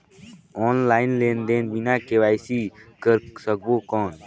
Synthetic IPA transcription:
ɔːnlaːɪnleːnd̪eːnbinakeʋaːjsikəɾsəkboːkɔːn

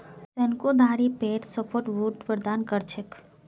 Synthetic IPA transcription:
sɐnkod̪ʱaːɾipeːʈsəpʰoːɾʈʋuːʈʋəɾd̪aːnkəɾt͡ʃʰək

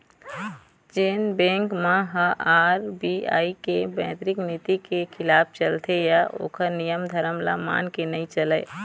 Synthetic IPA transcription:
d͡ʒeːnbɛ̃ːŋkmãɦəʔaːɾbia̰ːikebɛ̃ːt̪ɾɪknit̪ikekʰɪlaːpʰt͡ʃəlt̪ʰejaʔo̰ːkəɾnijəmd̪ʱəɾəmla̰ma̰ːnkenəĩt͡ʃələː

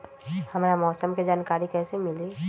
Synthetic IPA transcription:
hɐmɾamɔːsəmked͡ʒaːnkaːɾikɛːsemɪli

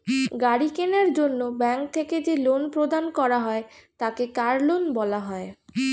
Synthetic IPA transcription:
ɡaɽikenaɾd͡ʑonːobɛŋk̚t̪ʰeked͡ʑelonpɾod̪ankɔɾaɦɔet̪akekaɾlonbɔlaɦɔe

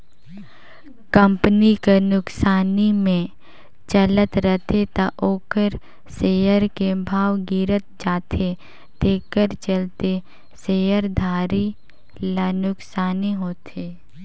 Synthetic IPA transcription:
kə̃mpnikenʊksaːnimẽ | t͡ʃələt̪ɾət̪ʰet̪aʔoːkəɾ | seːjəɾkebʱaːwɡiːɾət̪̚d͡ʒaːt̪ʰe | t̪eːkəɾt͡ʃəlt̪e | seːjəɾd̪ʱaːɾi | lanʊksaːniɦoːt̪ʰeː

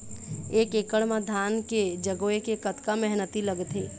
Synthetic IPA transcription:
eːkeːkəɽmãd̪ʱaːnked͡ʒəɡoekekət̪kamɛɦnət̪iləɡt̪e

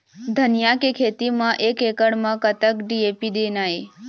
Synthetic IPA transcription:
d̪ʱənjakekʰet̪imãʔekekəɽmãkət̪əkɖiepid̪enae

